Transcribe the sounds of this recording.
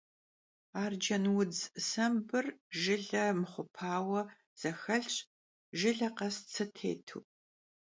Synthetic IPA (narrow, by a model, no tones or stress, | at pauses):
aːrd͡ʒɐnwʊd͡zsɐmbɨrʒɪɮɐmɨχʷʊpʰaːwɐ | z̥ɐxɐɬɕʼ | ʒɪɮɐqɐst͡sʰɨtʰḛːtʰṵː